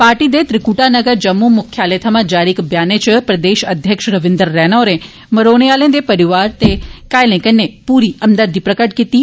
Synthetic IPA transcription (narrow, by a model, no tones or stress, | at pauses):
paːɾʈid̪et̪ɾɪkuːʈanɐɡəɾd͡ʒɐmːumʊkʰjaːlet̪ʰəmãd͡ʒaːɾikbjaːnet͡ʃəpɾɐd̪eːʃɐd̪ʱjəkʃɾɐʋɪ̃nd̪əɾːɛːnoːɾẽ | mɐɾoːnijaːlẽd̪epɐɾɪʋaːɾt̪ekaːjlẽkənːepuːɾiɐnd̪əɾd̪ipɾɐkəʈ̚kit̪iː